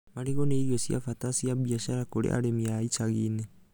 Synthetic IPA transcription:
maɾiɣɔneiɾiɔsija̰fatasiaβiaʃaɾakoɾḛʔa̰ɾemiaisaɣine

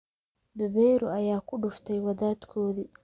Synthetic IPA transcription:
bɛβɛjɾʊɐjaːkʰʊɖʊft̪ʰɛjwɐðaːd̪kʰɔːði

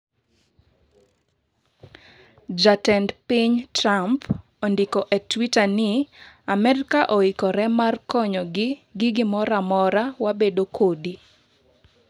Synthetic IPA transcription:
d͡ʒatɛndpiɲtramp | ondikɔʔetwitanɪamɛɾkaʔoikɔɾɛmarkɔɲɔɡɪɡɪɡɪmɔɾamɔɾawabedokʰodi

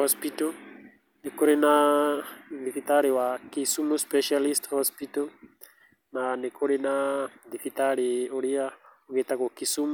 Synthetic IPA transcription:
hɔspito | nekoɾina | d̪ifit̪aɾiwakisumuspɛʃalisthɔspit̪ɔ | nanekuɾinad̪ifit̪aɺioɾiaoket̪akokisum

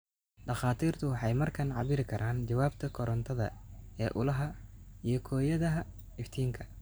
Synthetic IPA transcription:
ɖɐχɑːt̪ʰiːrt̪ʰʊwɑħɑjmɐrkʰɐnʕɑ̰βɪɾɪkʰɐɾʔaːnt͡ʃɐwaːbt̪ʰɐkʰɔɾɐnt̪ʰɐðɐ̰ɛ̰ːʔʊlɐɦɐijɞkʰɔːjɐðɐɦɐ | ɪft̪ʰiːŋkʰɐ̥

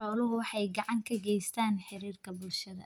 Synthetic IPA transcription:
ɔːlʊɦʊwɑħɑjɡɑʕɑŋkʰɐɡɛjst̪ʰaːnħɪɾiːrkʰɐbʊlʃɐðɐ̰

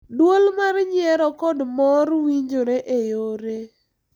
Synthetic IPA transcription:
dwolmarɲɪɛɾɔkɔdmɔrwiɲd͡ʒoɾeʔejoɾe

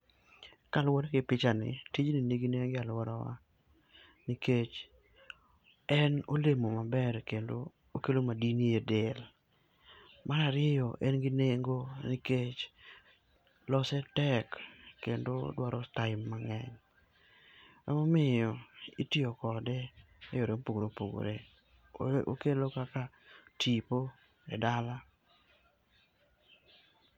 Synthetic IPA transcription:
kalwɔdɡɪpɪt͡ʃanɪ̰tit͡ʃnineɡineŋɡɪalwɔɾawa̰ | niket͡ʃ | ɛnolemomabɛɾkendo | okelomadiniedɪl | maɾaɾɪjɔʔɛnɡɪneŋɡoniket͡ʃ | lɔsɛtɛkːendo̰dwaɾɔtaɪmːaŋɛɲ | amomɪjɔitɪokɔdɛ | ejoɾepoɡɾopoɡo̰ɾe | o̰kelokaka | tʰipo | ɛdala

